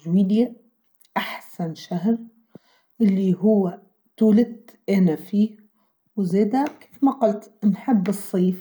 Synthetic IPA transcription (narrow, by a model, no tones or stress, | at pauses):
ʒwiːlja | ʔaħsanʃaɦɾ | ʔɪlːiɦʊwːa | t̪uːlɪt̪ | ʔanafiː | wzeːd̪ake̥ːfmɑqɑlt̪nħɪbːɨsˤːiːf